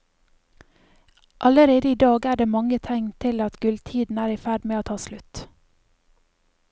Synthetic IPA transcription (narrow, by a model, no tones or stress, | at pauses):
ʔɑləɾeːd̪əiːd̪ɑːɡæːɖeːmɑŋət̪ʰɛŋt̪ʰɪlɑt̪ɡʉlt̪ʰiːd̪n̩æːɾiːfæɖmeːoːt̪ʰɑːslʉt̪